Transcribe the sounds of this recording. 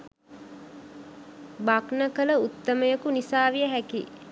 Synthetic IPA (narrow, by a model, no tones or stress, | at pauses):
baknəkələut̪ːəməjəkunisaːʋijəɦækḭ